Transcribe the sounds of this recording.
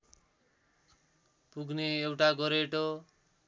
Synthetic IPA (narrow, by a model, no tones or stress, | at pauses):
puɡneewʈaɡʌɾeʈo